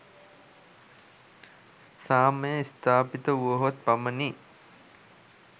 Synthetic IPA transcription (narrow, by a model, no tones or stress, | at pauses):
saːməjəist̪aːpit̪əuʋəɦot̪̚paməni